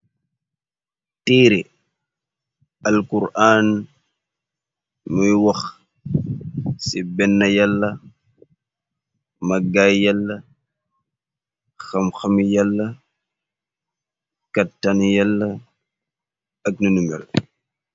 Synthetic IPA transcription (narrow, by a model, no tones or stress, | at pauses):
tiːɾi | ɐlkuɾaːn | mujwɐx | sibɛnːɐjalːɐ | mɐɡajjalːɐ | xɐmxɐmijalːɐ | kɐtːanjalːɐ | ɐk̚nɐnumja̰l